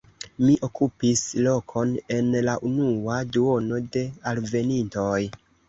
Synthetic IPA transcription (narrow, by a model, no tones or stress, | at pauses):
miʔo̞kupislo̞kʰo̞ne̞nlaʔunuaduo̞no̞de̞alve̞ninto̞j